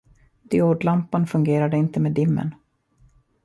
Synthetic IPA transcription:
d̪̥ɪoːɖlampanfɵŋɡeːɾad̪əɪnt̪əmeːd̪ɪmːə̰n

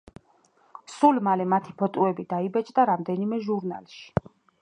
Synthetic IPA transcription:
sulmalɛmat̪ʰipʰɔt̪ʼuɛbid̪aibɛt͡ʃʼd̪aɾamd̪ɛnimɛʒuɾna̰lʃi̥

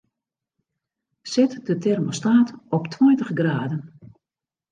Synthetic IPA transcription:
sɛtdətɛrmostaːtɔptʰwɔjntəχɡraːdən

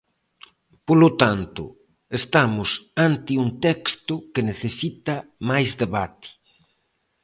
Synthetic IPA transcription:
polʊt̪ant̪ʊ̰ | est̪amʊsant̪ɪuŋt̪ɛkst̪ʊkeneθesit̪ɐmajzd̪eβat̪i̥

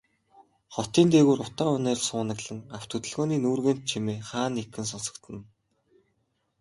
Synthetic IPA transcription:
χɔt̪iːnt̪eːɣuːɾʊt̪aːʊneːrsʊːnə̆ɣɮɘ̆ŋaw̥t̪ʰɵt̪ɘ̆ɮɣoːniːnuːrɣeːn̥t̪̚t͡ɕʰimeːχaːnːekɡɘ̆ns̬ɔnsɞ̥̆kt̪ʰɘ̆n

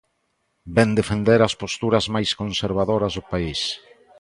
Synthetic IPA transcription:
bɛnd̪efend̪eɾɐspost̪uɾɐzmajskonseɾβ̞aðoɾɐzðʊpais

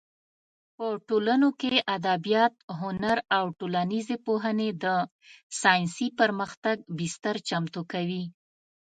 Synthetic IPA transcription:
pəʈolanokeʔad̪abijɑt̪̚ɦʊnaɾawʈolanizepoɦəned̪ə | sɑjnsipəɾməxt̪aɡ̚bɪst̪aɾt͡ʃamt̪okawi

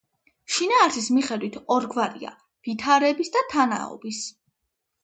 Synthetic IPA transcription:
ʃinaːɾsismiχɛd̪wit̪ʰɔɾɡvaɾḭa̰ | vit̪ʰaɾɛbisd̪at̪ʰana̰ɔ̰bis

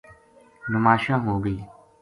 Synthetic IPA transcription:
nʊmaːʃãːɦoːɡiː

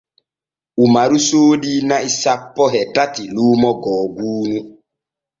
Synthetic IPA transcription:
umaɾusoːdinaisapːɔɦɛtatilumɔɡɔːɡuːnu

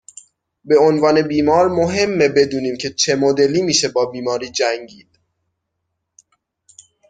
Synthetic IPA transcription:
be̞onvɒːne̞biːmɒːɾmoɦe̞mːebe̞d̪uːniːmcʰet͡ʃʰe̞mod̪e̞liːmiːʃe̞bɒːbiːmɒːɾiːd͡ʒæŋɟiːd̪̥̚

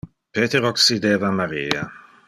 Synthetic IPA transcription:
peːt̪eɾoksid̪eːvamaɾiːa

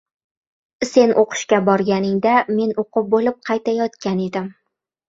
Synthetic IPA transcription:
se̞nʔoqʰɨ̥ʃkʲabɒɾɡʲanɪŋd̪ame̞noqʰʊp̚bolɪp̚qʰɑjt̪ʰajɒt̪kʲane̞d̪ɪm

